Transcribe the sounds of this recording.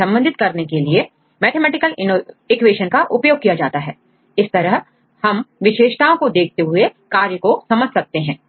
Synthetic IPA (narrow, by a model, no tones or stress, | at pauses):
ɐ̃mbə̃nd̪ʱɪt̪̚kɐɾnekelie | mɛːʈ̪ʰemɛːʈɪkəlɪno | ɪkʋeːʃənkaʔʊpjoːɡ̚kːijad͡ʒaːt̪aɦɛː | ɪst̪ɐɾəɦ | hɐmʋɪʃeːʃʈ̪aːõkod̪eːk̚ʰt̪eɦʊekaːɾjəkosɐməd͡ʒʱsɐk̚t̪eɦɛ̃ː